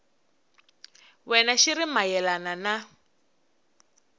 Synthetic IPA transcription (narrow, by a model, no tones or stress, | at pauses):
wɛnaʃirimajɛlanana